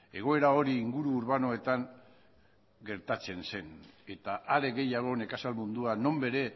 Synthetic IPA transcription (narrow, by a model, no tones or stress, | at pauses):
e̞ɣ̞o̞e̞ɾao̞ɾiːŋɡuɾuːɾβano̞e̞t̪aŋ | ɡe̞ɾt̪at͡se̞nse̞ne̞t̪aʔaɾe̞ɣe̞jaɣ̞o̞ne̞kasalmund̪uano̞mbe̞ɾe̞